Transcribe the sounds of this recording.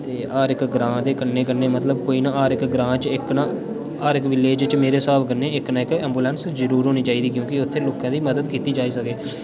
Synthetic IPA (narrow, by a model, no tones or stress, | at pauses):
t̪eːaːɾɪkɡɾãːd̪eːkənːeːkənːeːmət̪ləb̚koːiːnãːaːɾɪkɡɾãːt͡ʃɪknãː | aːɾɪkʋɪleːd͡ʒt͡ʃmeːɾeːsaːbkənːeːɪknaːɪkɛ̃ːmbuːlɛːnszəɾuːɾɦoːniːt͡ʃaːiːd̪iːkjõːkɪʊt̪ʰːeːloːkãːd̪iːməd̪əd̪kiːt̪iːd͡ʒaːiːsəkeː